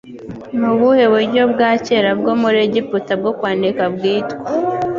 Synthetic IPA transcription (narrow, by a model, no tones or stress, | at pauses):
nuβuhe̞βeɾɟo̞bɡaːce̞ɾabɡoːmuɾeɟiputab̚ɡokwaːndikabɡiːtwa